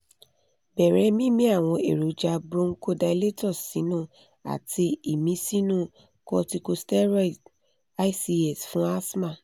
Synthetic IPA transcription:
bɛ˨ɾɛ˨˦mĩ˦mĩ˦a˦˨w̃ɔ̃˧ḛ˨ɾo˨˦d͡ʒa˧bɾõ˦ŋ̩˦ko˦da˧i˧le˦tɔ˦˨sːĩ˨˦nũ˦˨ | a̰˨tʰi˧i˦˨mĩ˨˦si˦nũ˦˨ | kɔ˧ti˧ko˧stɛ˦ɾa˦i˨t | a˦i˦si˧ɛ˦˨sfũ˦a˦smã˦˨

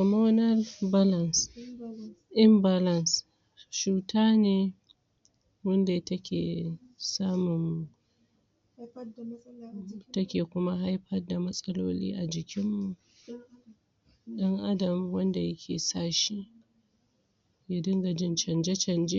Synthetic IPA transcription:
kɔ˨moː˦nɐ˦lba˦lɐ˨ns | ʔɪ˦mba˨lɐ˦ns | ʃuː˨taː˦neː˨ | wɐ˦nda˨tɐ˦kʲʰḛː˨ | saː˦mʊ˨n | tɐ˦kʲeː˨kʷʊ˦ma˦ɦa˦jɸɐ˦rda˨mɐ˦sʼɐ˦loː˦lḭː˦ʔa˨d͡ʒɪ˨kʲʰɪ˦mːu˦˨ʔ | ɗɐ˦ŋʔa˦dɐ˨mwɐ˦nda˨jɐ˦kʲʰḛː˨saː˦˨ʃi˦ | ja˨dɪ˦ŋɡa˨d͡ʒɪ˦nt͡ʃɐ˨nd͡ʒe˦t͡ʃɐ˨nd͡ʒe˦

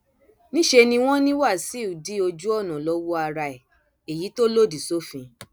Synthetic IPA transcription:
nĩ˦ʃe˧nĩ˧w̃ɔ̃˦nĩ˦wa˦˨si˨˦u˨di˦o˧d͡ʒu˦ɔ˦˨nã˨lɔ˨˦wo˦a˧ɾa˧ɛ˨ | e˨ji˨˦to˦lo˦˨di˨so˦fĩ˧

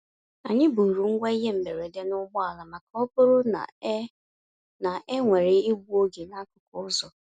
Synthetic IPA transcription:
a˨ɲɪ˦bu˨ɾu˨ŋ̩˦ɡʷa˦i˦ɦe˦m̩˨me˨ɾe˨de˦nʊ˦ɡ͡bʊ˦a˨la˨ma˨ka˨˦ɔ˦pʊ˦ɾʊ˦na̰˨˦ | na˨ʔe˦ŋʷe˨ɾe˦i˦ɡʷu˦o˦ɡe˨na˦kʊ˨kʊ˦zɔ˨

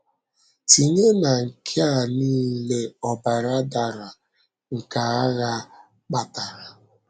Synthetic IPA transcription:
ti˨ɲe˦na˨ŋ̩˨kʰe˦a˦˨niː˦le˦ɔ˨ba˨ɾa˦da˨ɾa˨ | ŋ̩˨ka˨a˦ɣa˦ | k͡pa˨ta˨ɾa˨

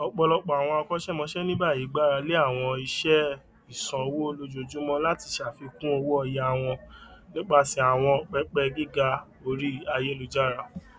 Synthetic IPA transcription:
ɔ˧k͡pɔ˧lɔ˧k͡pɔ˨a˨w̃ɔ̃˧a˧kɔ˦ʃɛ˦˨mɔ̃˧˦ʃɛ˦nĩ˦ba˦˨jiː˨˦ɡ͡ba˦˨ɾa˧le˦a˦˨w̃ɔ̃˧i˧ʃɛ˦ | i˨sã˨o˧wo˦o˧lo˧d͡ʒo˨d͡ʒũ˨˦mɔ̃˦la˦ti˧ʃa˨fi˧kũ˦o˧wo˦ɔ˧ja˧˨w̃ɔ̃˧nĩ˦k͡pa˦˨si˧˦a˨w̃ɔ̃˧k͡pɛ˦k͡pɛ˧ɡi˦ɡa˧ | o˧ɾi˦a˧je˦lu˨˧d͡ʒa˦˨ɾa˧

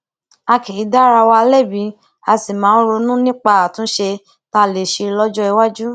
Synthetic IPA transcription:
a˧ke˨i˨˦da˦ɾa˧wa˧le˦˨bĩ˨˧˦ | a˨˧si˨mãː˨˦ɾo˧nũ˦nĩ˦k͡pa˧a˨tũ˨˦ʃe˧ | ta˧˦˨le˨ʃe˧lɔ˦d͡ʒɔ˦i˧wa˦d͡ʒu˦

